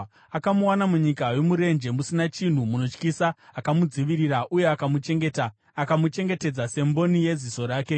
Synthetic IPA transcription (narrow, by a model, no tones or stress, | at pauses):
akamuwanamuɲikaje̞muɾe̞nd͡ʒe̞musinat͡ʃin̤umuno̞t͡ʃkisaːkamud͡ziʋiɾiɾaʔuje̞akamut͡ʃe̞ŋɡeta | akamut͡ʃe̞ŋɡe̞te̞d͡zase̞mbo̞nije̞ziso̞ɾaːke̞